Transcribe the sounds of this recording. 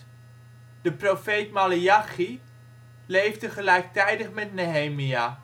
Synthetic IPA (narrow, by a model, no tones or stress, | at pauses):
d̥əprofejtmaliɑχi | lejvdəχəlɛjk̚tɛjdəχmɛtneɦejmia